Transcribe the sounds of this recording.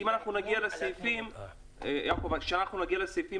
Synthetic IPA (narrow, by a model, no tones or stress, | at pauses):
imanaχnunaɡialesejfim | ejʔakovakʃeanaχnunaɡialesejfi